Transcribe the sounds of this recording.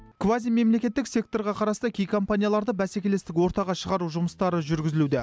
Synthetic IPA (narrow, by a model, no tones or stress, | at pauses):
kʰvazijme̞mle̞kʲe̞t̪ːɪksʲe̞k̚t̪o̞ɾʁɑqʰɑɾɑst̪ɑkʲʰejkʰo̞mpanʲijalˠɑɾd̪əbæse̞kʲe̞lest̪ɪkwo̞ɾt̪ɑʁɑʃəʁɑɾuʒʊməst̪ɑɾəʒʏɾɡʲɪzɪlud̪ɪ